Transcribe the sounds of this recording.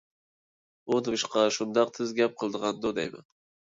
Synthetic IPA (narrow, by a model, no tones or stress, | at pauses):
onɨɨʃqʰɑʃʊnd̪ɑq̚t̪ʰɪzɡʲap̚qʰɨlˠd̪ɨʁɑnd̪od̪a̰jma̰